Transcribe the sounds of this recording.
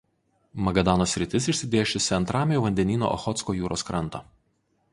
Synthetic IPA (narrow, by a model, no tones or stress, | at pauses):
mɐɡɐd̪ɑːnoːsʲɾʲɪt̪ʲɪsɪʃʲsʲɪd̪ʲeːʃʲʊsʲɪɐnt̪ɾɑːmʲejɛʋɐnʲd̪ʲɛnʲiːno̰ːʔɔ̰xɔt̪skoːjuːɾoːskɾɐnˑt̪ɐ̰ː